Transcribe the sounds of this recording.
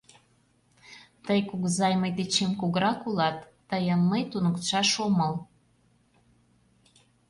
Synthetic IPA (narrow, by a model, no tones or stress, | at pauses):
t̪əjkuɣzɑjməjd̪et͡ɕemkuɣəɾɑkulɑt̪ːəjənməjt̪unəkt̪ʃɑʃoməl